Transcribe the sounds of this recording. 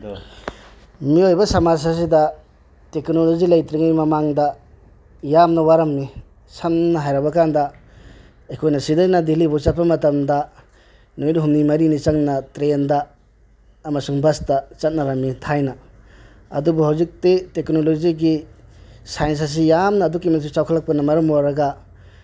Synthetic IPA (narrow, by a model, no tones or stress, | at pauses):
miojbɐsɐmas̬as̬idɐ | teknolozilɐjt̪ɾiŋijmɐmaŋdɐ | jamnɐwaɾɐmːi | sɐmnɐɦajɾɐbɐkandɐ | ekʰojnɐsidɐjnɐdilibot͡ʃapːɐmɐtɐmdɐ | nujniɦumnimɐɾinit͡ʃɐŋnɐtɾendɐː | mɐsuŋbɐstɐt͡ʃɐt̚nɐɾɐmːitʰajnɐ | ɐ̰dubuɦawzik̚teteknolod͡ʒiɡi | sajɐns̬as̬ijamnɐːdukːimɐsut͡ʃawkʰɐlɐk̚pɐnɐmɐɾɐmoɾɐɡɐ